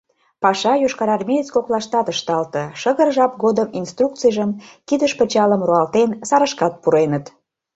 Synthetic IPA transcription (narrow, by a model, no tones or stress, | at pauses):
pɑʃɑjoʃkɑɾɑrmʲejet͡skoklɑʃt̪ɑt̪əʃt̪ɑlt̪ɤ̆ʃəɣərʒɑp̚ɡod̪əminst̪ruk̪̚t͡sijʒəmkid̪əʃpə̆t͡ɕɑləmruɑlt̪ensɑɾə̆ʃkɑt̪̚puɾenət̪